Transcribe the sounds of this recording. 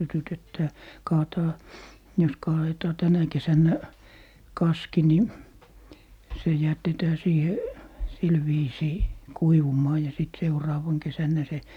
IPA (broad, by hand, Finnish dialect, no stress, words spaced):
sytytetːæː kɑːtɑː jos kɑːetɑː tænæ kesænːæ kɑski ni se jætetæː siːhe sil ʋiːsiː kuiʋumˑɑː jɑ sit seurɑːʋɑŋ kesænːæ se